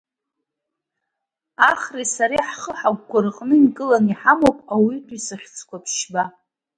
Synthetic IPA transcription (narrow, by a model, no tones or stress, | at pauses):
aχrisaɾiħχəħaɡːʷaɾɨqʼnɨmkʼɨlaniħamowpʼawidʰʼisaχʲt͡sʰʼkʷapʰʃba